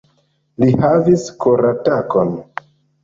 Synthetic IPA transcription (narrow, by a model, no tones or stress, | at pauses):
lihaviskoɾatako̞n